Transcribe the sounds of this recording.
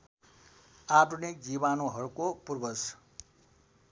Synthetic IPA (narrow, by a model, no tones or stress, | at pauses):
adunikd͡zibanoɦʌɾukopurbʌs